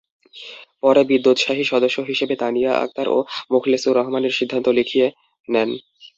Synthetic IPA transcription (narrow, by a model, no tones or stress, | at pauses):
pɔɾebid̪ːot̪ʃaɦiʃɔd̪oʃːoɦiʃebet̪anijaʔa̰k̚t̪aɾʔo̰mukʰlesuɾɔɦmaneɾʃid̪ʱːant̪olikʰie | nɛn